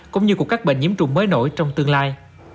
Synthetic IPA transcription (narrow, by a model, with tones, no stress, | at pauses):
kʊ̰˧˦ŋ͡mɲɨ˧kəkaː˦˥ɓḛ˧˨ŋɲi˨˦əmt͡ɕʊ̰˨˧˩ŋ͡mməː˨˦jno̰˧˩˨jt͡ɕɔ˧wŋ͡mt̪ɨ˧əŋlaː˧j